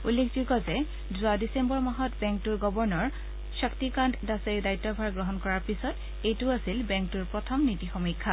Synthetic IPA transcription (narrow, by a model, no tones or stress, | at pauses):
ulːekʰzukɔzɛ | zʊadisembɔɹmaɦɔtbɛŋk̚tuɹɡɔbɔɹnɔɹ | saktikanddaseɹidajtːɔbʱaɹɡɹɔɦɔnkɔɹaɹpisɔt | ejtʊasilbɛŋk̚tuɹpɹɔtʰɔmnitixɔmikʰːa